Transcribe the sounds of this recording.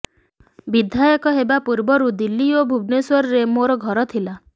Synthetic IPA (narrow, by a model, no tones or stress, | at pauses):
bid̪ʱajɔkɔɦebapuɾbɔɾud̪ilːiobʱubneswɔɾɔɾemoɾɔɡʱɔɾɔt̪ʰila